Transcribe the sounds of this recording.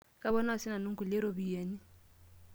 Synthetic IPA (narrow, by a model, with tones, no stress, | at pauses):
kʼa˦βɔ˦na˦˨si˦na˨nu˦ŋ˦ku˨lɛ˦ɾo˦bi˨jeː˨˦ni˦